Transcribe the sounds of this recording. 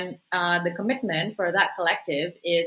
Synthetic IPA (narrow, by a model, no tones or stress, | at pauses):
nðəkʰəmɪt̚mɨ̃ntfə˞ðət̚kʰəlɛk̚tɪvɪ